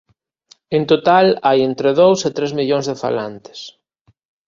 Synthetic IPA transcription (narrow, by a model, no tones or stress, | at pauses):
ent̪ot̪alajent̪ɾeðowset̪ɾezmiʎõŋzðefa̰lant̪ɪ̥s